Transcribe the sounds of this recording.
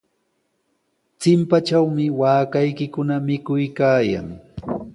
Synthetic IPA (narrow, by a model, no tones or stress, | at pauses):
t͡sɪmpat͡ʃawmɪwaːkajkɪkʊnamɪkʊjkaːja̰ŋ